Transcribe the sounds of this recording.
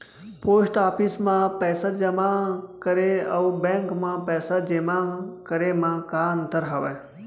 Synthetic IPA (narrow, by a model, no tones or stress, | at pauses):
poːsʈaːpʰismãpɛːsəd͡ʒəmãkəɾeəubɛ̃ŋkmãpɛːsəd͡ʒemãkəɾemãkaːnt̪əɾɦaʋe